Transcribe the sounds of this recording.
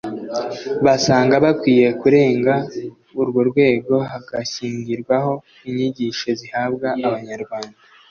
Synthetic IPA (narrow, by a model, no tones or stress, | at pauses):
βasaːŋɡaβakwiːje̞kuɾe̞ːŋɡa | uɾɡoɾɡwe̞ːɡo̞ɦaɡaçiːɲɡiɾɡwaɦo̞ | iɲiɟiʃo̞zihabɡaːβaɲaɾɡwaːnda